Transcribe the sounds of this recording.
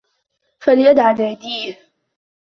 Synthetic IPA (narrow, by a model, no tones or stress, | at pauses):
falɪjad̪ʕalɪad̪iːh